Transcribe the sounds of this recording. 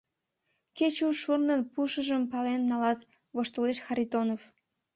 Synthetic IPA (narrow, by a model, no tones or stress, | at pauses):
ket͡ɕuʃurnənpuʃəʒəmpɑlenːɑlɑt̪ | βoʃt̪əleʃxɑɾit̪onof